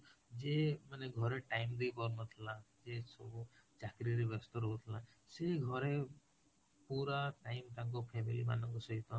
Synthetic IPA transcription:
d͡ʒemaneɡʱɔɾeʈajmd̪ejpɔɾnɔt̪ʰilad͡ʒesɔbud͡ʒakɾiɾebɔst̪ɔɾɦɔɦut̪ʰila | seɡʱɔɾe | puɾaʈaimt̪aŋk̬ɔpʰemilima̰nɔŋkɔsɔɦit̪ɔ

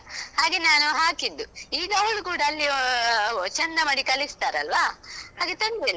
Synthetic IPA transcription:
haːɡenaːnuɦaːkid̪ːuiːɡɐʋɐɭukuːɽɐːlːi | t͡ʃɐnd̪ɐmɐɽikɐlist̪aːɾeɐlʋaːhaːɡet̪ɐnd̪ilːa

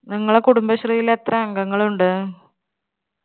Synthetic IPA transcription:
nɐŋːɐɭekuɽumbɐɕrijilet̪rɐɐŋɡɐŋːɐɭuɳɖɨ

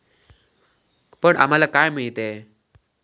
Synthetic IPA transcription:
pəɳʔa̰m̤alakajmaɭit̪e

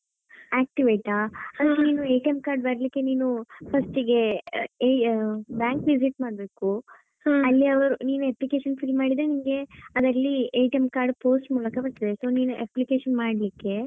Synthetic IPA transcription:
aːk̚ʈiʋeːʈaːɐuniːnuejʈɐmkaːɾɖbɐɾlikːe̞niːnupʰɐsʈiɡe | bjaːŋkʋisiʈmaːɖbe̞ːku | ɐlːiɐʋɐɾuniːnueplike̞ːʃɐnpʰilmaːɽid̪ɾenimɡe̞ɐd̪ɐlːiɐjʈemkaːɾɖpo̞ːsʈmuːlɐkɐpɐɾt̪ːid̪eso̞ːniːnuʔeplike̞ːʃɐnmaːɽlikːe̞

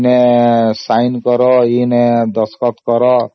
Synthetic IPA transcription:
nesajnkɔɾɔined̪ɔskɔt̪kɔɾɔ

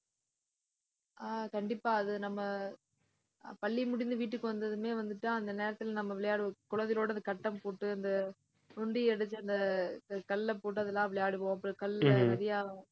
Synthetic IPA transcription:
ʔaːkɐɳɖɪpːaːɐðɯnɐmːɐ | pɐɭːimʊɽɪnd̪ɯʋiːʈ̬ːɯkːɯʋɐnd̪ɐðɯmeːʋɐnd̪ɯʈːãːɐnd̪ɐneːɾɐt̪ːɪlnɐmːɐʋɪɭɐjaːɽɯkʊɻɐðɪloːɽɐnd̪ɐkɐʈːɐmpoːʈːɯɐnd̪ɐ | ʊɳɖiɛɽɯt͡ʃːɯɐnd̪ɐkɐlːɐpoːʈ̬ːɯɐðɯlːãːɐɪʋɪɭɛjaːɽɯpõːɐpːɯɽɯkɐlɐðɪjaː

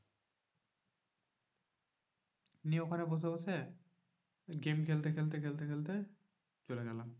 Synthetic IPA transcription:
niokʰanebosʰebot͡ɕʰe | ɡemkʰelt̪ekʰelt̪̬ekʰelt̪ekʰelt̪e | t͡ɕoleɡɛlam

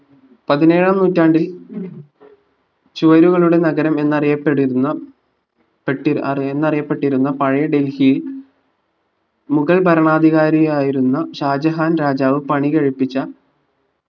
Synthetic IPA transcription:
pɐðine̞ːɻamnuːtːaːɳɖil | t͡ɕuʋɐɾuɣɐɭuɽe̞nɐɡɐɾɐme̞nːɐrijɐpːeɽiɾunːɐ | peʈːienːɐrijɐpːe̞ʈːiɾunːɐpɐɻɐjɐɖe̞lhijil | muɣɐɭbʱɐɾɐɳaːd̪ʱiɣaːɾijaːjiɾunːɐɕaːd͡ʑɐɦaːnɾaːd͡ʑaːʋɨpɐɳiɣɐɻipːit͡ɕːɐ

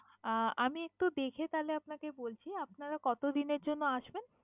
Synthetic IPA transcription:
amiek̚ʈud̪ekʰet̪aleapnakebolt͡ɕʰiapnaɾakɔt̪od̪ineɾd͡ʑonːoaʃben

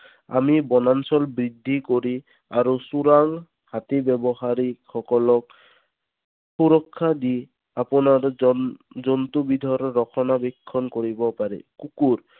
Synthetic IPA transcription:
a̰mibɔnansɔlbɹid̪ʱːikoɾi | aɾusuɾaŋ | hat̪ibɛbɔxaɾixɔkɔlɔk̚ | puɾɔkʰːad̪i | apɔnaɾ | zɔnt̪ubid̪ʱɔɾːɔkʰɔnabɛkʰːɔnkoɹibɔpaɾḭkukuɾ

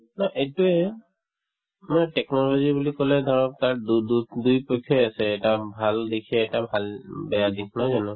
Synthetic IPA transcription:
nɔʔetuɛ | matɛknɔlɔzibulikɔlɛd̪ʱɔɹɔp̚taɹdddujpɔjkʰːɔasɛːtabʱaldikʰɛːtabʱalbɛjadik̚ʰnɔjzanɛ

